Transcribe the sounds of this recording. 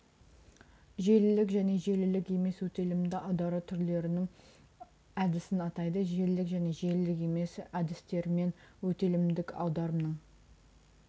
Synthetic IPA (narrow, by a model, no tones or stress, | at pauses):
ʒe̞lɪlɪkʒæne̞ʒe̞lɪlɪkʲe̞me̞swɵt̪e̞lɪmd̪ɪʔɑwd̪ɑɾət̪ʰʏɾle̞ɾɪnɪŋ | æd̪ɪsɪnɑt̪ɑjd̪əʒe̞lɪlɪkʒæne̞ʒe̞lɪlɪke̞me̞sæd̪ɪst̪e̞ɾme̞nwɵt̪e̞lɪmd̪ɪkʰɑ̰wd̪ɑɾəmnəɴ